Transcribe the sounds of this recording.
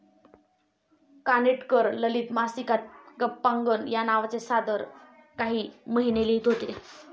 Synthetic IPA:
kaneʈkəɾləliːt̪masikat̪̚ɡəpːaŋɡənjanaʋt͡sesad̪əɾ | kaɦiːməɦineliːt̪ɦot̪ee

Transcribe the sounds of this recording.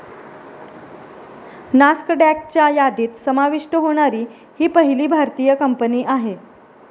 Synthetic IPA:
naskəɖæk̚t͡ɕjajad̪iːt̪səmaʋiʂʈəɦoɽ̃aɾiː | hiːpəɦiliːbʱaɾt̪ijəkəmpəniːʔaɦe

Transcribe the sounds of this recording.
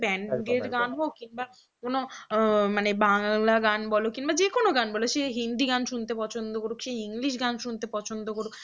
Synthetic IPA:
bɛɳɡeɾɡanɦokːinba | konomanebaŋlaɡanbɔlokinbad͡ʑekonoɡanbɔloʃeɦind̪iɡanʃunt̪epɔt͡ɕʰond̪okoɾukʃeiŋliʃ̬ɡanʃunt̪epɔt͡ɕʰond̪okoɾuk

